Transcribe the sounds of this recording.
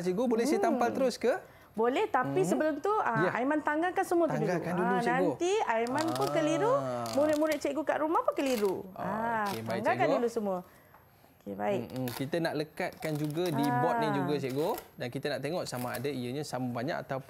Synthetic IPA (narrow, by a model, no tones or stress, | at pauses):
t͡ʃeʔɡobolɛhset̪ampaləɾʊskə | bolɛht̪apisəbəlʊmt̪uaməʔajmant̪aŋɡakansəmũət̪uadiɡakandulunãɡnt̪iajmanpʊnkəliɾumũɾɪt̪̚muɾɪt̪̚t͡ʃeʔɡoka̰ʔɾumahpʊnkəliɾuakebaiŋɡakandulusəmũə | okʰebaɪkkit̪ənaʔləkat̪̚kand͡ʒuɡadibɔt̪̚nid͡ʒuɡat͡ʃeʔɡodankit̪ənaʔt̪eŋɔʔsamaa̰daijəɲasaməbaɲa̰ka̰t̪awp